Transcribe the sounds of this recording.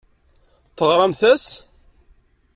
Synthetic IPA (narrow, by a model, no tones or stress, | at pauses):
θəʁɾˤɑmθæs